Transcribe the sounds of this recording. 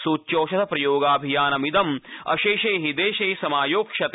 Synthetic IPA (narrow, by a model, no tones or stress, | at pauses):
suːtːjoːʃɐt̪ʰɐpɾɐjoːɡaːbʱijaːnɐmid̪ɐmɐ̰ʃeːʃeːɦid̪eːʃeːsɐmaːjoːkʃɐt̪